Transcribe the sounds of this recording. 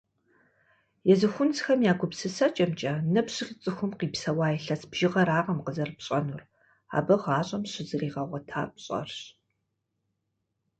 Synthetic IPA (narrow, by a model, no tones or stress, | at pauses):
jɛzɨxʷʊnt͡sxɐmjaːɡʷʊpsɨsɐt͡ʃʼɐmt͡ʃʼɐnɨpɕɪχʲt͡sʼɨxʷʊmqiːpsɐwaːjɛɬɐsbʒ̥ɪʁɐɾaːʁɐmqəzɐrpɕʼɐnur | a̰ːbɐʁɑːɕʼɐmɕɪzɨriːʁɐʁʷɔtʰa̰ːpɕʼɐ̰rɕ